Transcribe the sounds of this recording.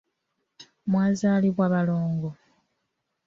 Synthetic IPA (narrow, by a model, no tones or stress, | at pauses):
mwaːzaːliβwaːβalo̞ːŋɡo